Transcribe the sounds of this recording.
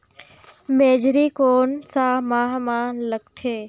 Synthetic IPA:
meːd͡ʒɾikoːnsamaːɦmaːnləɡ̚t̪ʰeː

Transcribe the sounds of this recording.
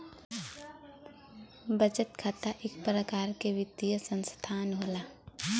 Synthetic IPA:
bəd͡ʒət̪kʰaːt̪aʔɪk̚pɾəkaːɾkeʋɪd̪ijəsə̃nst̪ʰaːnɦoːlaː

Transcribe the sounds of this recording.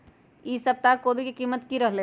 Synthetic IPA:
isəp̚t̪akobʱikikiːmət̪kiɾəɦle

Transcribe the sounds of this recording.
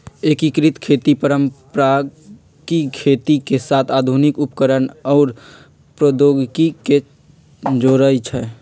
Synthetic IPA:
ekikɾit̪kʰet̪ipəɾəmpɾa | kikʰet̪ikesat̪ʰad̪ʱunikupkəɾənɔːɾ | pɾəd̪oɡkike | d͡ʒoɾəjt͡ʃʰɛ

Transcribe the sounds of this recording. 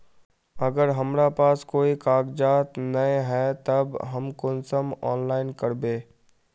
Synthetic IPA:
ɐɡəɾɦɐmɾapaːskoːikaːɡd͡ʒaːt̪nɐeɦɛːt̪ɐbɦɐmkʊnsəmɔ̰ːnlaːɪnkɐɾbeː

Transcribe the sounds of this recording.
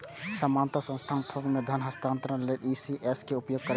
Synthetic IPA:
səmaːnt̪asə̃nst̪ʰaːnt̪ʰõɡmed̪ʱənɦəst̪ʰaːnt̪ɾənlelisiʔeskeupjoːɡ̚kəɾ

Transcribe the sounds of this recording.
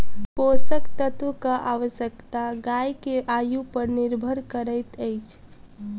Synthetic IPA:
posəkt̪ət̪ʋəkaʔaʋəsjəkt̪aɡajkeʔajupəɾniɾbʱəɾkəɾəjt̪əjt͡ʃʰ

